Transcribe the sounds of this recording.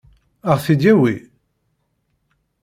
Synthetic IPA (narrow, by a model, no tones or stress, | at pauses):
əʁθid̪æwi